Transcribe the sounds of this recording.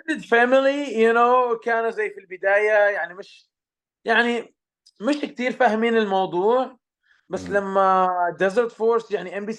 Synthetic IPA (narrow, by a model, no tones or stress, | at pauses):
dɪd̪famɪlijʊnoːkaːnuzajːfilbɪd̪aːjajaʕnimɪʃ | jaʕni | mɪʃk̚t̪iːɾfahmiːnɪlmɑwðˤuːʕ | basːlamːad̪ɛzəɾt̪foːɾsjaʕniʔɛmbiː